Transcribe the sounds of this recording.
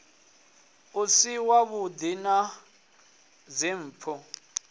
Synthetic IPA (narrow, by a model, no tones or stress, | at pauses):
usiwaβudina | zem̩ːpʰɔ